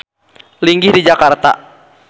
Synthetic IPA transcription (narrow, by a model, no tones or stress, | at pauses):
liŋɡihdid͡ʒakart̪a̰